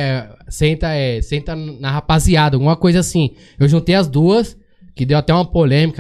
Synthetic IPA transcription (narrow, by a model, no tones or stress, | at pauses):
sẽnt̪ɐɛsẽnt̪ɐnnɐhapaziad̪ɐɡũmɐkojzɐasĩ | ewʒũnt̪ejɐzd̪uɐs | kɪd̪ewat̪ɛũmɐpolẽmikɐ